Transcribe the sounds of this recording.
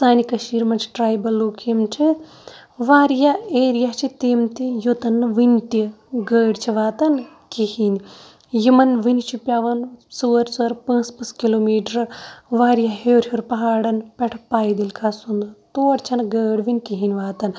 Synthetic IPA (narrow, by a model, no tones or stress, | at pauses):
saːnikɐʃiːɾmɐnt͡ʃʰi̥ʈɾaːjbɐlːoːkʰimt͡ʃʰi | ʋaːɾijaeːɾijat͡ʃʰit̪eːmt̪ijot̪ɐnːɨʋɨnt̪i | ɡəːɖt͡ʃʰiʋaːt̪ɐn | kihinʲ | jimɐnʋɨnt͡ʃʰipʲjaːʋɐnsuɐɾsuɐɾpɐ̃ːspɐskiloːmiːʈɐɾʋaːɾijaɦeːɾhjoɾpɐɦaːɽɐnpʲɐʈʰpaːjd̪ilkʰasund̪t̪oːɾt͡ʃʰɐnɡəːɽʋinʲkiɦinʲʋaːt̪ɐn